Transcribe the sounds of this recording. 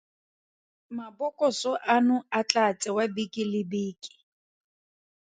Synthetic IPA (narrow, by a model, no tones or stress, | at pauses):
mabɔkʼɔsɔʔanʊat͡ɬʼat͡sʼɛwabikʼɪlɪbiːkʼi̥